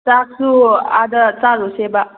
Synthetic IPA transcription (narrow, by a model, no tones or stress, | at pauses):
t͡saksua̰d̪ət͡saɾoseba